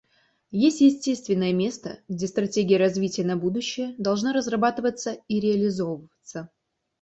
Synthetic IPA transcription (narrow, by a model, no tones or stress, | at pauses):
jesʲtʲjɪsʲtʲest̪vʲɪnːəjəmʲest̪ə̰ɡdʲe̞st̪ɾɐtʲeɡʲɪjəɾɐzvʲitʲɪjənɐbud̪ʊɕːɪjəd̪ɐlˠʐnaɾəzrɐbat̪ɨvət̪səiɾʲɪɐlʲɪzo̞vəvət̪sə